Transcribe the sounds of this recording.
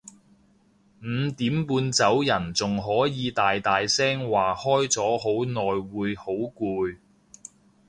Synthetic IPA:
m̩ː˨˧t̪iː˨˥mpuː˧nt͡sɐ˨˥wjɐ˨˩nt͡sʊ˨ŋɦɔː˨˥jiː˨˧t̪aː˨jt̪aː˨jsɛː˥ŋwaː˨˩hɔː˥jt͡sɔː˨˥ɦo˨˥wnɔː˨jwuː˨˧jho˨˥wkuː˧j

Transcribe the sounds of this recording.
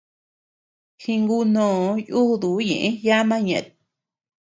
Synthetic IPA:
hi˧ŋɡu˧nõː˨˧˦ju˦˨ðu˨˦ɲḛ̃˨ʔẽ˦ja˦mã˦ɲẽ˧ʔt̪̚

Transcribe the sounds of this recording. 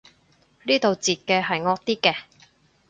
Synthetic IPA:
liː˥t̪o˨wt͡siː˨t̚kɛː˧ɦɐ˨jŋɔː˧k̚t̪iː˥kɛː˧

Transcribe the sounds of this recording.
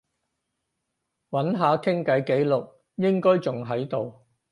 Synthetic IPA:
wɐ˨˥nɦaː˨˧kʰɪ˥ŋkɐ˨˥jke˨˥jlʊ˨k̚ | jɪ˥ŋkɔː˥jt͡sʊ˨ŋɦɐ˨˥jt̪o˨w

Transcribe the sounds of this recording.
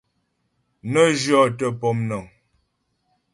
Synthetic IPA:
nə˦d͡ʒɔ˦˨tə˦pɔ˨mnɔ˨ŋ

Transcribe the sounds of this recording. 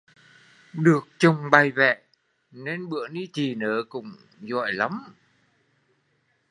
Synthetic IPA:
ɗɨ˨˩ək̚t͡ɕə˨˩wŋ͡mɓa˨˩jvɛ̰˧˨ | ne˧nɓɨ̰˧˨əni˧t͡ɕi˨˩nəː˨˦kʊ̰˧˥ŋ͡m | zɔ̰˧˨jla˨˦m

